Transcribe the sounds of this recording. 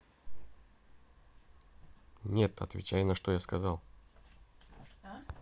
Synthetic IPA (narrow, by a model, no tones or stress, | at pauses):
nʲe̞t̪ɐ̰t̪vʲɪ̰t͡ɕæjnɐʂt̪o̞jaskɐzɑlˠ